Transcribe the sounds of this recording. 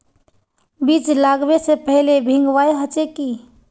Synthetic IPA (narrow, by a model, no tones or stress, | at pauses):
biːt͡ʃlaːɡbesepəɦlebʱɪ̃ŋɡʋaːjɦət͡ʃeki